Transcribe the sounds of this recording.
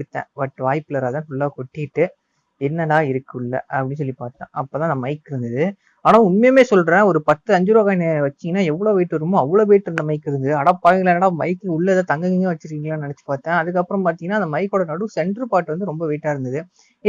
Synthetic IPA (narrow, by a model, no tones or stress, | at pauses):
ɯt̪ːɛ̰̃ːʋɐʈːɯʋaːjpːlɐɾaːt̪ãːt̪ʊɭːaːkɔʈːɪɪʈːɯ | ɛnːɐðaːɪɾɯkːɯʊɭːɐ̰ʔɐpːɐɽins̬ɔlːipaːɾt̪ã̰ːɐpːoːt̪ãɐnd̪ɐmɐɪkːɪɾɯnd̪ɐðɯ | aːnaːʊnmɐjɐmeːsɔlːɾãːaɔɾɯpɐt̪ːɯɐɲd͡ʒɯɾoːɣaːnʋɐt͡ʃːɪŋɡɐnːaːɛʋːɐɭoːʋɛɪʈːɯʋɐɾɯmʊ̃ɐʋːɐɭoːʋeːʈːɪɾɯnd̪ɐmɐɪkːɪɾɯnd̪ɐðɯɐɽɐpːaːɣlɐnɐːɽamɐɪkːɯʊɭːɐðaːt̪ɐŋɡɐŋɡɪŋɡɐʋɐt͡ʃːɪɾkiːŋɡlaːnɐnɛt͡ʃːɯ̥paːɾt̪ãːɐðɯk̬ːɐpːɯɾɐ̃mpaːɾt̪iŋɐnaːnd̪ɐmɐɪkːoːɽɐnɐɽɯsɛɳɖɾɯpaːʈːɯʋɐnd̪ɯɾɔmbɐʋɛːʈːaːɪɾɯnd̪ɐðɯ